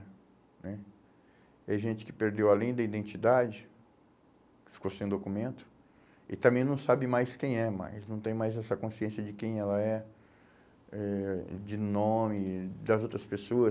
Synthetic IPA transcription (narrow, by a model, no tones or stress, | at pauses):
nɛ | ɛʒẽnt͡ʃɪ̥kɪ̥peɾd̪ewalẽj̃d̪ɐid̪ẽnt͡ʃid̪ad͡ʒɪ | fi̥kosẽj̃d̪okumẽnt̪ʊ̥ | ɪ̰t̪ɐ̃mbẽj̃nɐ̃w̃sabɪmajskẽj̃ɛma̰jsnɐ̃w̃t̪ẽj̃majzɛsɐkõsiẽsjɐd͡ʒɪkẽj̃ɛlɐɛ | ɛd͡ʒɪnõmɪd̪ɐzowt̪ɾɐspesoɐ